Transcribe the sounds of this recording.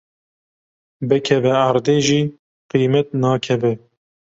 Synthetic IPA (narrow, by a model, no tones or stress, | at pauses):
bɨkʰɛvɛaɾd̪eːʒiː | qiːmɛt̪̚nɑːkʰɛvɛ